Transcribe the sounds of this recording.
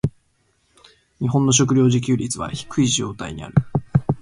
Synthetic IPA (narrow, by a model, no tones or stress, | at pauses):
ɲ̟iɦõ̞nːo̞ɕ̬o̞k̬ɯ̟ɾʲo̞ːʑik̬ʲɨːɾʲit͡sɨβa̰çi̥kʰɯ̟iʑo̞ːt̪aiɲ̟ia̰ɾɯ̟